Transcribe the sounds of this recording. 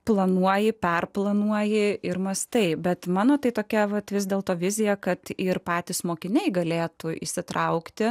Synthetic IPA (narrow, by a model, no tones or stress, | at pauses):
plˠɐnuɔjɪpʲɛrplˠɐnuɔjɪɪɾmɐst̪ɐɪbʲɛt̪mɑːnoːt̪ɐɪt̪oːkʲɛʋɐt̪ʋʲɪzʲd̪ʲeːlˠt̪oːʋʲɪzʲɪjɛkɐt̪ɪrpɑːt̪ʲɪsmoːkʲɪnʲɛɪɡɐlʲeːt̪ʊḭʃsʲɪt̪ɾɐʊkt̪ʲɪ